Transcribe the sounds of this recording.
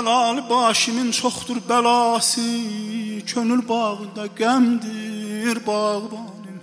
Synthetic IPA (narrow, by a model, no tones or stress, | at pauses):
lɑːlibɑːʃinint͡ʃʰoχd̪uɾbælɑːsi | kʰønylbɑːʁɯnd̪ɑɡæmd̪iɾbɑːʁɯbɑːlin